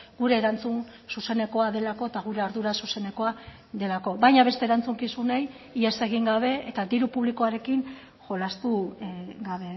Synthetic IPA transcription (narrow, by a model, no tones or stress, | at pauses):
ɡuɾe̞ːɾant͡sun | suse̞ne̞ko̞aðe̞lako̞et̪aɣ̞uɾe̞aɾðuɾasuse̞ne̞ko̞a | ðe̞lako̞βajɲaβe̞st̪e̞ɾant͡suŋkisunej | iese̞ɣ̞iŋɡaβ̞e̞ːt̪ad̪iɾupuβliko̞aɾe̞kin | ʝo̞last̪uɡaβ̞e̞